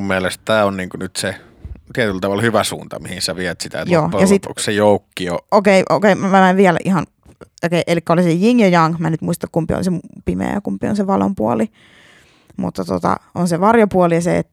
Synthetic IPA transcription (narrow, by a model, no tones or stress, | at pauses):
mmielest̪t̪æːonniːŋkunyt̪se | t̪iet̪ylt̪ɑʋɑlhyʋæsṵːnt̪ɑ̰mihinsæʋiæt̪sit̪æ̰tjoːpojɑsit̪o̰kssejoˑukːiookeiʔokeimæmæmæʋʋiælæ̰ʔihɑn | okeiʔelikːæolisejiŋjojɑŋmænyt̪muist̪ɑkkumpḭo̰lisemupimḛæ̰kumpio̰nseʋɑlo̰mpuoli | mṵt̪ːɑt̪ot̪ɑ̰onseʋɑrjopuoliɑseet̪ːæ